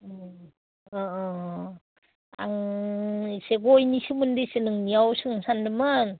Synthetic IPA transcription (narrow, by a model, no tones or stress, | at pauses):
a̰ŋ | seɡojnisɯmɯndɯsenɯŋniawsɯŋsandɯmɯn